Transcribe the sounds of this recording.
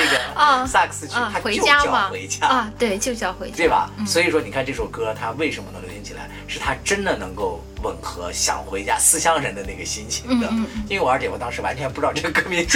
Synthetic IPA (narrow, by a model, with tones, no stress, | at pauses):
e˥˩ɛ˨˩˧sa˥˩ksɹ̩˥˧t͡ɕʰt̪ʰa˥xwe˧˥jo˥˧t͡ɕja˥t͡ɕmɐ˨xwe˧˥ɪt͡ɕja˥˧t̪we˥˩ɪt͡ɕjo˥˧ʊt͡ɕxwe˧˥ɪt̪we˥˩bɐ̰˩˥swɔ˧˥i˨˩ʂ̬wɔ˥ni˨˩kʰa˥˧nʈ͡ʂɤ˥˩ɕo˥˩ʊkɤ˥t̪ʰa˥we˥˩ɪʂə˧˥nmə˩nɤ˧˥ŋljo˧˥ʊɕi˧˥t͡ɕʰi˨˩la̰˧˥ɪʂɻ̩˥˩t̪ʰa˥ʈ͡ʂə˥nd̪ə˨nɤ˧˥ŋko˥˩ʊ | wə˨˩nxɤ˧˥ɕjɑ̰˨˩ŋxwe˧˥ɪt͡ɕja˥sɹ̩˥ɕjɑ˥ŋɻə˧˥nd̪ə˧na˥˩ɡə˩ɕi˥nt͡ɕʰi˧˥ŋd̪ə˧i˥nwwɔ˨˩ə˞˧˥t͡ɕjɛ˧˥wɔ˨˩t̪ɑ˥ŋʂɻ̩˧˥˩wa˧˥nt͡ɕʰɥɛ˧˥npu˧ʈ͡ʂɻʈ͡ʂɤ˥˩ɡə˩kɤ˥mi˧˥n